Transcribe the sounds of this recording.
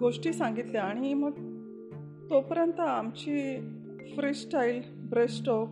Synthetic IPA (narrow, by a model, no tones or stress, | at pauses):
ɡoʂʈiːsãŋɡit̪leaɽ̃iməɡ | t̪opəɾənt̪əamt͡ɕiː | fɾiːsʈajl | bɾesʈɔk